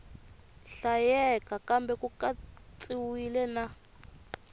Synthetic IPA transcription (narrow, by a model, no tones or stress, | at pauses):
ɬajɛkakambɛkukat͡sʼiwilɛna